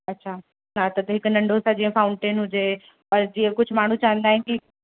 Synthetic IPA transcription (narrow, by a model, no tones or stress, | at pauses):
ɐtːɕʰaː | nat̪ɐt̪ɐɦɪknɐ̃ɳɖʱosad͡ʑĩːẽfaːʊ̃ɳʈeːnɦʊd͡ʑe | pɐɾd͡ʑiːẽkʊd͡ʑʱʊmaːɳ̤ũt͡ɕaːɦə̃nd̪aːɦɪ̃nɪki